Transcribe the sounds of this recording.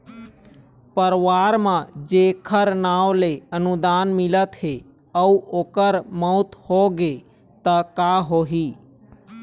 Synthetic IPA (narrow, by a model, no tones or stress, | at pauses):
pəɾʋaːɾmãd͡ʒeːkʰəɾnaːwleənud̪aːnmɪlət̪ɦe | əuoːkəɾməʊt̪hoɡe | t̪əkaɦoɦiː